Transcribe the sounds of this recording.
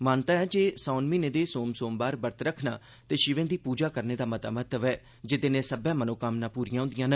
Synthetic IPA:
maːnt̪aːɛːd͡ʒeːsaːnmiːnẽːd̪eːsoːmsoːmbaːɾbəɾt̪ɾəkʰna̰ː | t̪eːʃɪʋẽːd̪iːpuːd͡ʒaːkəɾneːd̪aːmət̪a̰ːmət̪əʋɛː | d͡ʒɪt̪eːnẽːsəbɛːmənoːkəmnãːpuːɾijãːʊ̃nd̪ɪijãːnə

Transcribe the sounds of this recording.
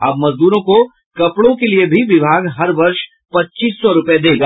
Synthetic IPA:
ɐb̚mɐzd̪uːɾõko | kɐpɽõkeliebʱiʋɪbʱaːɡɦɐɾʋɐɾʃ | pɐtːt͡ʃiːsːɔɾʊped̪eːɡaː

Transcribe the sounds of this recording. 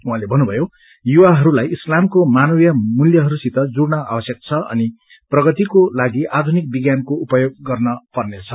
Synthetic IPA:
ũɦãlebʱʌnːubʱʌjo | juwaɦʌɾulajislamkomanʌwjʌmuljʌɦʌɾusit̪ʌd͡zuɽnʌa̰bʌsjʌk̚t͡sʰʌʔʌ̰ni | prʌɡʌt̪ikolaɡiʔad̪ʱunik̚biɡjankoupʌjoɡ̚ːʌrnʌpʌrnet͡sʰʌ

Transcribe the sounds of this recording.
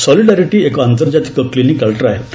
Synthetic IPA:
sɔliɖaɾiʈiːekant̪əɾd͡ʑat̪i̥kəklinikəɭʈəɾaɦe

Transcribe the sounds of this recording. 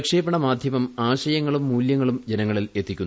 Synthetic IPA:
kʂeːpːɐɳɐmaːd̪ʱjɐmɐmaːɕɐjɐŋːɐɭumːuːljɐŋːɐɭumd͡ʑe̞nɐŋːɐɭile̞t̪ʰːikʲːunː

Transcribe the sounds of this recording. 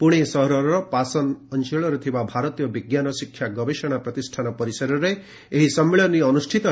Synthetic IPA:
puɽ̃esɔɦɾɔɾɔɾɔpasɔnɔnt͡ʃeɭɔɾut̪ʰibabʱaɾɔt̪ijɔbiɡjanɔsikʰjaɡɔbeʃɔɽ̃apɾɔt̪isʈʰanɔpɔɾisɔɾɔɾe | eɦisɔmːeɭɔniɔnusʈʰit̪ɔ

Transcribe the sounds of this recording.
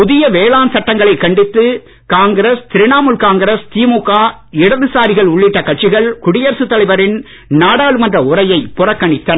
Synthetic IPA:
pʊðɪjɐʋeːlaːnsɐʈːɐŋɡɐɭɐɪkːɐɳɖɪt̪ːɯ | kaːŋɡɐɾɐst̪ɪɾɪnaːmɯlkaːŋɡɐɾɐst̪iːmuːkaːɪɽɐðɯsaːɾɪɣɐɭʊɭːɪʈːɐkɐʈ̚t͡ʃɪɣɐɭkʊɽɪjɐɾsɯt̪ːɐlɐɪʋɐɾɪn | naːɽaːɭɯmɐndrɐʊɾɐjɐɪpːʊrɐkːɐɳɪt̪ːɐnɐ

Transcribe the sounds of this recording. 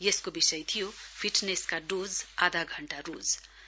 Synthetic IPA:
jeskobisʌjt̪ʰijopʰiʈneskaɖod͡zad̪ʱaɡʱʌɳʈaɾud͡z

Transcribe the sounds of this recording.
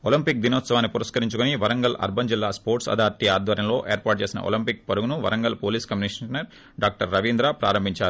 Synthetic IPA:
olimpik̚d̪inoːt̪sɐʋaːnːipuɾɐskɐɾiɲt͡ʃukuniʋɐɾɐŋɡɐlʔɐ̰ɾbʱɐnd͡ʒilːaːspoːɾʈsɐ̰d̪ʱaːɾt̪iaːd̪ʋɐɾjɐmlo̞ːʔeːɾpaːɾʈ̚t͡ʃe̞ːsinɐ̰ʔo̰limpik̚pɐɾuɡunuʋɐ̰ɾɐŋɡɐlpoːliːskɐmniʂɐnɐɾ | ɖaːk̚ʈɐɾːɐʋiːnd̪ɾaːpɾa̰ːɾɐmbʱiɲt͡ʃaːɾu

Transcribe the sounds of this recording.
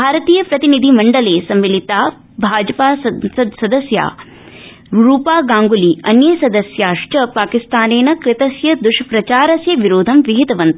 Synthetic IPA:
bʱaːɾɐt̪iːjɐpɾɐt̪inid̪ʱimɐɳɖɐleːsɐmːilit̪aː | bʱaːd͡ʒɐpaːssɐd̪sɐd̪ɐsja̰ː | ɾuːpaːɡaːŋɡuliɐnjɐsɐd̪ɐsjaːʂʈɐpaːkist̪aːneːnɐkɾɪt̪ɐsjɐd̪uʃɐpɾɐt͡ʃaːɾɐsjɐʋiɾoːd̪ʱɐmʋiɦit̪ɐʋɐnt̪ɐ

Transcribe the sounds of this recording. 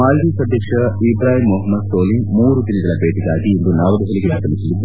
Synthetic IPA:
aːld̪iːsɐd̪ʱjɐkʂɐibɾaːɦimːoːɦɐmːɐd̪st̪oːlimuːɾud̪inid̪ɐlɐbeːʈiɡaːɡiend̪unaːʋɐd̪ɐɦɐliɡeaːk̪ɐlisɐlid̪u

